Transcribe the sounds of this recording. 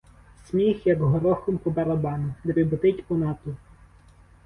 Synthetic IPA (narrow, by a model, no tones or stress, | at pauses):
sʲmʲixjɐɡɦɔɾɔxɔmpɔbɐɾɐbɑnʊd̪ɛʋʲibʊt̪ɪtʲpɔnɑt̪ʊ